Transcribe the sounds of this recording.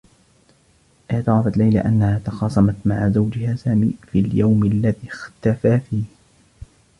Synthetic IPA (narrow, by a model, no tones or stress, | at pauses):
ʔɪd̪ˤɑɾˤɑfat̪lajla̰ʔanːahaːt̪ɑxɑːsˤɑmɑt̪maʕazawd͡ʒɪhaːsaːmiːfiljawmalːaðiːxt̪afaːfiːh